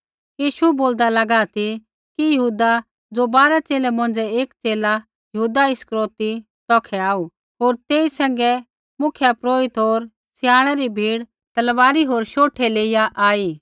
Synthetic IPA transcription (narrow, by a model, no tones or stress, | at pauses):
jiːʃuɛboːld̪alɐɡat̪ʰi | kijɐɦuːd̪a | d͡zobaːɾat͡ʃeːlɛmɐ̃n̆d͡zɛeːkt͡seːla | jɐɦuːd̪aɪskɾoːt̪i | t̪ɔːkʰɛaːu | ɦoːɾt̪eːisɛ̃ːŋ̆ɡɛ | mʊkʰjapɾoːɪt̪ɦoːɾ | sɪjaːɽ̃ɛɾibʱiːɽ | t̪ɐlʋaːɾiɦoːɾʃoːʈʰɛleːɪjaʔaːiː